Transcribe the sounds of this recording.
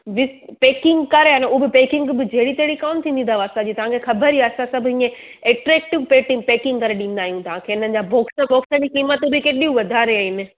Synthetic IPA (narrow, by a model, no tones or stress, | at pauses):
ʋɪspeːkɪ̃ŋɡkɐɾaːneʊobɪpeːkɪ̃ŋɡbɪd͡ʑɐɦɪɽit̪ɐɦɪɽikaːnt̪ʰĩːnd̪ĩnd̪aʋaːst̪ad͡ʑiːt̪ɐʋ̤ãkʰexɐbəɾiaːsãsɐbʱʊĩːẽ | eːʈɾɛːk̚ʈɪʋpeːʈɪ̃ŋpeːkɪ̃ŋɡkɐɾeɗĩːn̆d̪aːɦijũt̪ɐʋ̤ãkʰeːɪn̤ənɪ̆d͡ʑaːbʱoːksəboːksəñikiːmət̪bɪkeːɗiũʋɐd̪ʱaːɾeaɪnɪ